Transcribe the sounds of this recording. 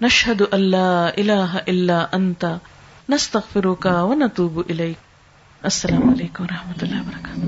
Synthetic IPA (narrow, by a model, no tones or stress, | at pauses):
naʃhad̪ʊʔɐlːaːʔɪlaːɦaʔɪlːaːʔant̪anast̪ɐɣfɪɾʊkawɐnat̪ˤuːbʔɪlajk̚ | ʔɐsːɐlaːmʊʔaleːkʊmwɑɾˤɑħmat̪ʊlːɑːɪbɐɾˤɑkaːt̪ʊ